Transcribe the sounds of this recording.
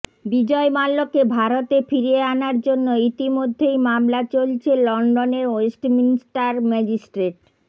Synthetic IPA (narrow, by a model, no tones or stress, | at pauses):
bid͡ʑɔemalːokebʱaɾot̪efiɾeanaɾd͡ʑonːoit̪imod̪ʱːejmamlat͡ɕolt͡ɕʰelɔɳɖoneɾoesʈminisʈaɾmɛd͡ʑisʈɾeʈ